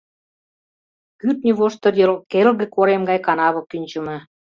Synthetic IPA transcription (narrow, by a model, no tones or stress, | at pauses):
kyt̪nʲiβoʃt̪ɤ̆jɤ̆lkelɣĕkoɾemɡɑjkɑnɑβɤ̆kːynʲt͡ɕə̆mɤ̆